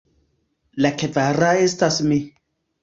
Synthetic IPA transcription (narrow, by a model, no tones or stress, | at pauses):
lakevaɾaestasmi